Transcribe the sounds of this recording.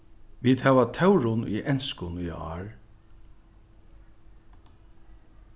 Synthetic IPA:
ʋiːd̪hæːʋat̪ʰœwɹʊnḭʔɛnskʊniɑ̰ːɹ

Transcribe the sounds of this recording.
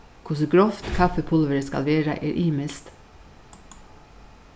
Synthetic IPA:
kʰʊsɡɾɔft̪kʰɑfəpʰʊlʋəɾəskɑ̰lʋeːɾɑ̰ʔḛːɾʔiːməst̪

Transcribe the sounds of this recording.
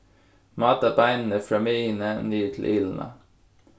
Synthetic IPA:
mɑːt̪ɑbæɪnn̩əfɾɑːmeːnənyːət̪ʰl̩ʔiːln̩ʔə̰

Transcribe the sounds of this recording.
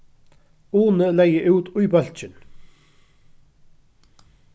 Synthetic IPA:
uːnəlɛjəʔʉːt̪ʊjbœl̥t͡ʃɪn

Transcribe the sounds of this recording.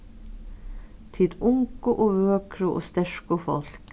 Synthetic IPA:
t̪ʰɪd̪ʊŋkʊʔoːʋøːkʰɾʊʔo̰ːst̪ɛʃkʊfɔ̰lk

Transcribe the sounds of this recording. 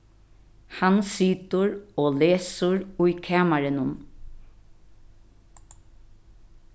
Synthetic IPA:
hansiːt̪ʊɾoːleːsʊɹʊjkʰaːmaɾɪnʊn

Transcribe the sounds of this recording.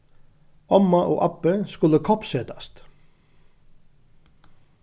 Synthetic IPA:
ɔmːaʔɔ̰ːʔapːəskʊləkʰɔpseːt̪ḁst̪

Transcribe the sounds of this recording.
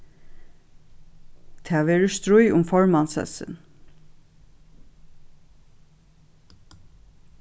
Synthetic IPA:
t̪ʰæːʋeːɾəst̪ɾʊjʊmfɔɹmansɛ̰sɪ̰n

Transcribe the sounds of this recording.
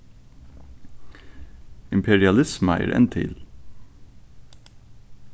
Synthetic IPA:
ɪmpʰɛɹɪɑlɪsmæɪə̰ɾʔɛ̰nt̪ʰɪ̰l

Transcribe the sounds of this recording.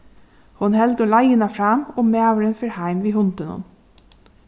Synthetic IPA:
hʊnhɛld̪olɑɪənɑfɾɑːmoːmeːɑʋəɾənfœɾhæɪmʋiːhʊnt̪ənʊ̰n

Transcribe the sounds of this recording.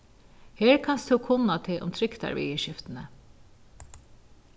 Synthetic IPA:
heːɹkʰɑnst̪ʰuːkʰʊnɑt̪ʰɪʔʊ̰mt̪ʰɾʏkt̪ɑ̰ɹʋḭəʃɪft̪ənə

